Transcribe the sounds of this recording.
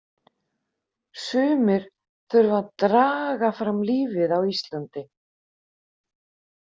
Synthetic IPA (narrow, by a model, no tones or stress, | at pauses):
sʏːmɪɾ̥ | θœɾvaðt̪ɾaːɣafɾamliːvɪðawist̪lant̪ɪ